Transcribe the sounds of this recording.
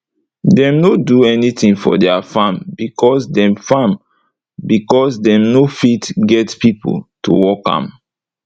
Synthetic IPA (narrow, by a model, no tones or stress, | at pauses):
dɛ̃mnoduɛnitĩŋfɔ̰dɛafãmbikʰɔsdɛ̃mfãm | bikɔsdɛ̃mnofitɡɛtpipo̰tʰṵwɔkã̰m